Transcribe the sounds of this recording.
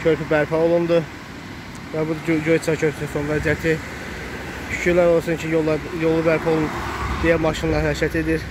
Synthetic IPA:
cʰøɾpʰybæɾpʰɛolˠund̪u | væbud̪d͡ʒojt͡s̪ʰɑcʰøɾp̪ʰysonvæzijæt̪ʰi | ʃy̥cʰyɾlæɾo̞lˠsuncʰijo̞lˠubæɾpʰɛo̞lˠund̪ijæmɑʃinlˠɑɾhæɾcʰæt̪e̞d̪iɾ

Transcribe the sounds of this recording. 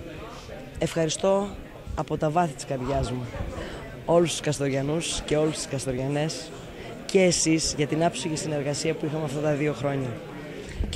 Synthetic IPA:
e̞fxɐɾist̪o̞ | ɐpo̞t̪ɐvɐθit̪i̥skɐɾðʝɐzmɐ | o̞lust̪u̥skɐst̪o̞ɾʝɐnusce̞o̞lust̪i̥skɐst̪o̞ɾʝɐne̞s | ce̞ːsizʝɐt̪inɐpsiʝisine̞ɾɣɐsiɐpuixɐmeɐft̪ɐt̪ɐðio̞xɾo̞ɲɐ

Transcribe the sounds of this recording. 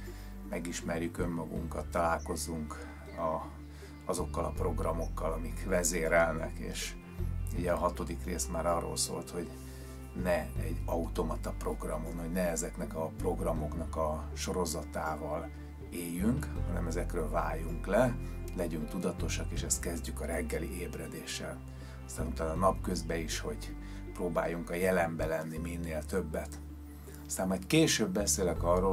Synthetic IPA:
mɛɡiʃmɛrjykø̞mːɒɡṵŋkɒt̪ːɒlaːlko̞zːuŋk | ɒ | ɒzo̞kːɒlɒpro̞ɡrɒmo̞kːɒlɒmikvɛzeːɾɛlnɛ̰kḛːʃ | uɟɛɒɦɒt̪o̞d̪ikreːst̪maːɾɒro̰lso̰ːlt̪ho̞ɟ | nɛɛɟːɒut̪o̞mɒt̪ɒpro̞ɡrɒmonho̞ɟnɛɛzɛknɛkɒpro̞ɡrɒmo̞knɒkɒ | ʃo̞ɾo̞zɒt̪aːvɒl | eːjːyŋkhɒnɛ̰mɛzɛkrøːlvaːjuŋklɛlɛɟyŋk̚t̪ud̪ɒt̪o̞ʃɒkeːʃɛst̪kɛzɟykɒɾɛɡːɛlḭeːbrɛd̪eːʃːɛ̰l | ɒst̪aːnut̪aːnɒnɒpkøzbɛiʃho̞̰ɟ | proːba̰ːjuŋkɒjɛlɛmbɛlɛnːiminːeːlt̪ø̞bːɛt̪ | ɒst̪aːmmɒjt̪keːʃøːbːɛseːlɛkɒrːoː

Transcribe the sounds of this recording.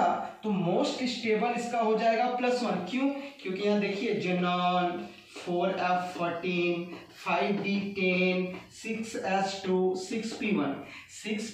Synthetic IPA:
a̰t̪omoːsʈɪsʈeːbəlɪskaɦod͡ʒaːeːɡaplɐsʋɐnkjũːkjõːkijɐɦãd̪eːkʰied͡ʒɐnaːl | pʰoːɾɛːpʰfɔɾʈiːn | pʰaːɪbɖiːʈeːnsɪksɛːsʈuːsɪkspiːʋɐnsɪks

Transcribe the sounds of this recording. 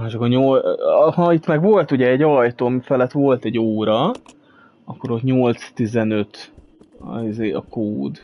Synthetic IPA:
aʃkoɲolhɒit̪mɛɡʋo̞lt̪uɟɛːɟːɒlɒjt̪oːɒmifɛlɛt̪ʋo̞lt̪ɛɟoːɾɒ | ɒkːo̞ɾo̞t̪ɲo̞lt̪st̪izɛnø̞t̪ | izeːɒ̰koːd̪

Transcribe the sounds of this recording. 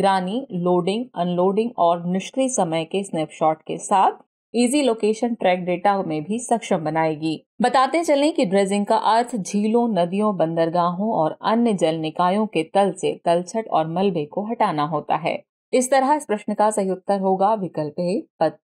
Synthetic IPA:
ɡɾaːniloːɖɪ̃ŋɡɐnloːɖɪ̃ŋɡɔːɾnɪʃkɾisɐməjkesneːpʃɔːʈkḛsaːt̪̚ʰ | iːziloːkeːʃənʈɾɛːk̚ɖeːʈamẽbʱisɐkʃəmbɐnaːeːɡiː | bɐt̪aːt̪eɦẽt͡ʃɐlẽkiɖɾeːzɪ̃ŋɡ̚kaʔɐɾt̪ʰd͡ʒʱiːlõnɐd̪ijõbɐ̃nd̪əɾɡaːɦõɔːɾɐ̰njəd͡ʒəlnɪkaːjõket̪ɐlset̪ɐlt͡ʃʰəʈɔ̰ːɾmɐlbekoɦɐʈaːnaɦoːt̪a̰ɦɛ̰ː | ɪst̪ɐɾəɪspɾɐʃnəkasɐɦjok̚t̪əɾɦoːɡaːʋɪkəlpepɐt̪̚

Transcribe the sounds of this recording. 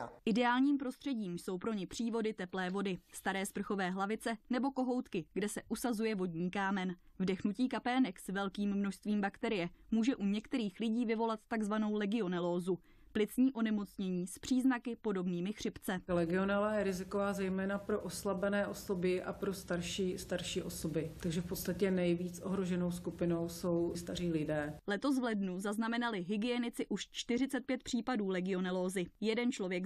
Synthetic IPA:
ʔɪdɛaːlɲiːmpɾo̞st̪r̥ɛɟiːmjso̞wpɾo̞ɲɪpr̥iːvo̞dɪt̪ɛplɛːvo̞dɪst̪aɾɛːspr̩xo̞vɛːɦlavɪt͡sɛnɛbo̞ko̞ɦo̞wt̪kɪɡdɛsɛʔusazujɛvo̞dɲiːkaːmɛnvdɛxnuciːkapɛnɛksvɛlkiːmːnoʃst̪viːmbakt̪ɛɾɪjɛmuːʒɛʔuɲɛkt̪ɛɾiːxlɪɟiːvɪvo̞lat̪̚t̪aɡzvano̞wlɛɡɪo̞nɛloːzu | plɪt͡sɲiːʔo̞nɛmo̞t͡sɲɛɲiːspr̝̥iːznakɪpo̞do̞bniːmɪxr̥ɪpt͡sɛlɛɡɪo̞nɛlajɛɾɪzɪkovaːzɛjmɛːnapɾoʔoslabɛnɛːʔosobɪʔa̰pɾo̞st̪aɾʃiːst̪aɾʃiːʔosobɪt̪aɡʒɛfpot̪st̪acɛnɛjviːt͡sʔoɦɾoʒɛnowskupɪno̞wso̞wst̪ar̝iːlɪdɛːlɛt̪o̞s̬vlɛdnuzaznamɛnalɪɦɪɡɪjɛnɪt͡sɪʔuʃt͡ʃt̪ɪrɪt͡sɛt̪̚pjɛt̪̚pr̥iːpaduːlɛɡɪo̞nɛloːzɪjɛdɛnt͡ʃlo̞vjɛk

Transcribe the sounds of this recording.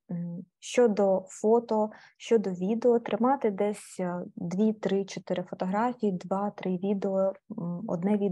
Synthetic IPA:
ʃt͡ʃɔd̪ɔfɔt̪ɔʃt͡ʃɔd̪ɔʋʲid̪eɔt̪ɾʔɪmɑt̪ɪd̪ɛsʲd̪ʋʲit̪ɾɪt͡ʃɔt̪ɪɾɪfɔt̪ɔɦɾɑfʲijid̪ʋɑt̪ɾɪʋʲid̪eɔɔ̰d̪nɛʋʲi

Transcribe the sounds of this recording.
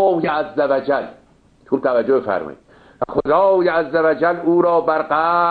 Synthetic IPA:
jeæzːævæd͡ʒæl | uːb̚t̪ʰævæd͡ʒːobefæ̰ɾmɒ̰jḭd̪̚ | væxod̪ɑːjeæzːævæd͡ʒæluːɾɒːbæɾɢæː

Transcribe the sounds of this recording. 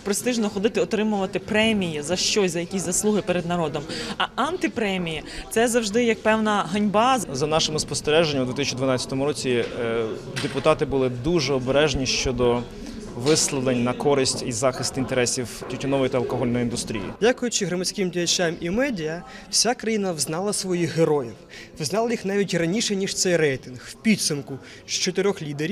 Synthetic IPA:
pɾest̪ɪʒnɔxɔd̪ɪt̪ɪɔt̪ɾɪmʊʋɐt̪ɪpɾɛmʲijɐzɐʃt͡ʃɔsʲzɐjɐkʲisʲzɐslˠuɦɪpeɾed̪nɐɾɔd̪ɔmɐɐnt̪ɪpɾɛmʲijɐt̪sɛzɐwʒd̪ɪjɐk̚pɛwnɐɦɐnʲbɑzzɐnɑʃemʊspɔst̪eɾɛʒenʲːɐwd̪ʋʲit̪isʲt͡ʃid̪ʋɐnɑt͡sʲːɐt̪ɔmʊɾɔt͡sʲi | d̪epʊt̪ɑt̪ɪbʊlˠɪd̪uʒɛɔbeɾɛʒnʲiʃt͡ʃɔd̪ɔ | ʋɪslˠɐlˠenʲnɐkɔɾɪsʲtʲizɑxɪst̪int̪eɾɛsʲiwtʲutʲɔnɔʋɔjt̪ɐlˠkɔɦɔlʲnɔjind̪ʊst̪ɾʲḭjḭdʲakʊjʊt͡ʃɪɦɾɔmɐt͡sʲkɪmdʲijɐt͡ʃamʔimɛdʲiɐ | w̥sʲakɾɐjinɐwznɑlˠɐsʋɔjixɦeɾɔjiw | wznɑlˠɐjixnɑʋʲitʲrɐnʲiʃɛnʲiʃt̪sɛjrɛjt̪ɪnɣwpʲid̪sʊmkʊ | ʃt͡ʃɔt̪eɾʲɔxlʲid̪eɾʲi

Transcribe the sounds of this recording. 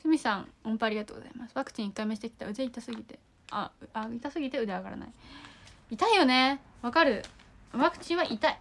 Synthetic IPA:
sɨmʲisãŋ̃õmpaaːɾʲiɡat̪oːɡoz̥a̰imasɨ̥βakɯ̟̥t͡ɕĩikːaimeɕi̥t̪e̞kʲi̥t̪aɯ̟zeit̪asɨɡʲit̪e̞ | aait̪asɨɡʲit̪e̞ɯ̟d̪eaɡaɾa̰na̰i | it̪aijo̞ne̞ | βakaɾɯ̟ | βakɯ̟̥t͡ɕĩɰ̃βaʔit̪ai

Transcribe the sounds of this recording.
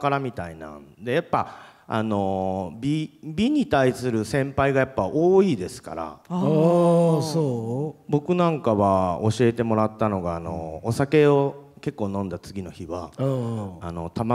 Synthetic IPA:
kaɾamʲit̪ainã̰nd̪e̞japːaa̰no̞bʲibʲiɲ̟it̪aisɨɾɯ̟sẽ̞mpaiɡajapːaʔoːiːd̪e̞sɨ̥ka̰ɾa̰ | sobo̞kɯ̟nãŋkaβao̞ɕie̞t̪e̞mo̞ɾat̪ːano̞ɡaːno̞̰ːsake̞o̞ke̞kːo̞ːnõ̞nd̪at͡sɨɡʲino̞çiβa̰ | ano̞t̪ama

